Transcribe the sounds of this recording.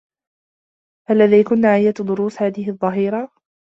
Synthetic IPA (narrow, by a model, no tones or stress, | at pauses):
ʔalːaðiːjkʊnːaʕɪjːat̪d̪ˤʊɾuːshaːðɪɦɪʔðˤːɑɦiːɾɑ